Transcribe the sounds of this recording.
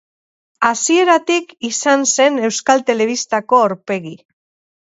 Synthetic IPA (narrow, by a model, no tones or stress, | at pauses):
asie̞ɾat̪ikisanse̞ne̞wskalt̪e̞le̞βist̪ako̞oɾpe̞ɣi